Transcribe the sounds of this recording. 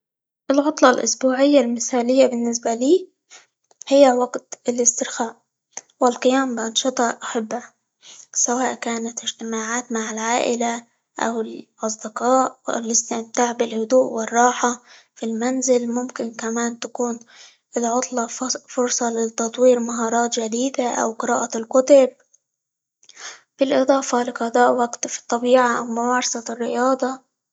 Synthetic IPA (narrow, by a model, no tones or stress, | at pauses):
ʔɪlʕʊt̪ˤlɑlʔʊ̰sbuːʕɪjːalmɪθaːlɪjːabɪnːɪs̬baliː | hɪjːawaɡt̪ɪlɪst̪ɪɾxaːʔ | wɪlqɪjaːmbɪʔɑnʃɨt̪ˤɑʔaħabːa | sawaːʔkaːnat̪ɪʒt̪ɪmaːʕaːt̪maʕɪlʕaːʔɪla | ʔa̰wɪlʔɑs̬ˤd̪ɪqɑːʔɪ̰lɪst̪ɪmt̪aːʕbɪlhʊd̪uːʔwɪrˤːɑːħa | filmanzɪlmʊmkɪnkamaːnt̪akuːn | ʔɪlʕʊt̪ˤlɑfʊɾsˤɑlɪt̪ɑt̪ˤwiːɾmaɦɑːɾˤɑːt̪ʒad̪iːd̪aʔa̰wqɨɾɑːʔalkʊt̪ʊb̚ | b̥ɪlʔɨd̪ˤɑːfɑlɪqɑd̪ˤɑːʔwaɡt̪fi̥t̪ˤːɑbiːʕaʔawmʊmɑːɾˤɑsɑrːɪjɑːd̪ˤɑ